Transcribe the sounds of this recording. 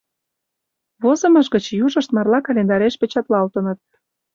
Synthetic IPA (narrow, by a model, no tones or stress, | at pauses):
βozə̆məʃ̬ɣət͡ɕjuʒə̆ʃt̪mɑrlɑkɑlʲend̪ɑɾeʃpet͡ɕɑt̪lɑlt̪ə̆nə̆t̪̚